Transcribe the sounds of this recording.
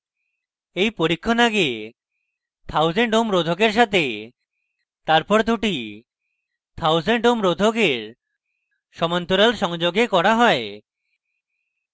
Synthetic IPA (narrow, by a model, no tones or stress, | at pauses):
ejpoɾikʰːonaɡe | t̪ʰawzeɳʈomɾod̪ʱokeɾʃ̬at̪e | t̪aɾpɔɾd̪ʱuʈi | t̪ʰawzeɳʈomɾod̪ʱokeɾ | ʃɔmant̪uɾalʃɔŋd͡ʒoɡekɔɽaɦɔe